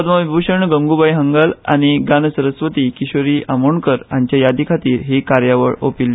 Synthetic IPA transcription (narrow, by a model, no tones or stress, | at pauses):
d̪maʋibʱuɕəɳɡəŋɡubajɦəŋɡəla̰ɽ̃iɡanəsəɾəsʋət̪iːkiɕoɾiːʔamoɳkəɾaɲt͡ɕjajad̪ʱikʰat̪iːɾɦekaɾjaʋə̰ɭo̰pilːe